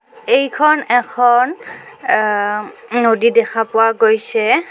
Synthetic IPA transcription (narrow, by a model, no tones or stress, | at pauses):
ejkʰɔnɛkʰɔn | nodidɛkʰapʊwaɡojsɛ